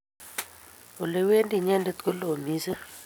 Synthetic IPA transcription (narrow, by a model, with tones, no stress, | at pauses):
o˨le˨we˦ndi˦˨ɲɛ˦nde˦t̪ko˦lo˨mi˦se˦